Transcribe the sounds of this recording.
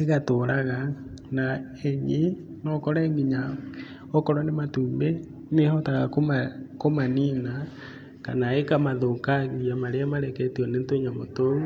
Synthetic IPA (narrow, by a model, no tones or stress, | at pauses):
eɣatoɾaɣa | na | eɲi | nɔkɔɾɛːŋɡiɲa | ɔkɔɾwanematuːmbe | nehɔtaɣakomakomanina | kanaekamaðokaɣiiamaɾeamaɾɛkɛtiɔnentweɲamotou